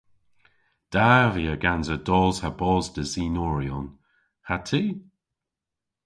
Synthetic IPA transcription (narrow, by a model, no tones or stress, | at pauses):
d̥aviəɡanzədɔːz̥habɔːzd̪əziːnɔːɹiɔn | hatʰiː